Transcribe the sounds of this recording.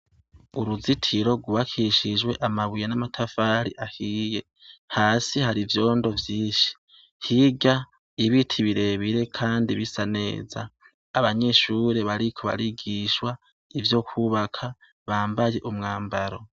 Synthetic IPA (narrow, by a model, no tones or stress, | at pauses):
uɾuzitʰiɾo̞ɡuβakʰiʃid͡ʒwe̞ʔamaβujanamatʰafaːɾiʔahiːje̞ | haːsihaɾivjo̞ːndo̞vjiːʃi̥ | hiɡa | iβitʰiβiɾe̞βiɾe̞kʰaːndiβisane̞̰ːzaː | βaɲe̞ʃuːɾe̞βaɾikʰo̞βa̰ɾiɡiʃwa | ivjo̞kʰuβakʰa | βaːmbaje̞ʔumŋaːmbaɾo̞